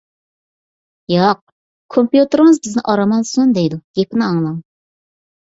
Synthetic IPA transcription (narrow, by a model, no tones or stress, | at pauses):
jɑq̚ | kʰompjut̪ɨɾŋɨzbɪznɪʔɑɾɑmɑnsund̪ejd̪uɡ̥ʲepɪnɪɑŋlˠɑŋ